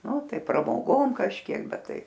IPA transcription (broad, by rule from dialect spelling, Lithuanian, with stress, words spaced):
ˈnʊ ˈtɐɪ prɐmoːˈɡoːm kɐʃʲˈkʲiɛk ˈbʲɛt ˈtɐɪ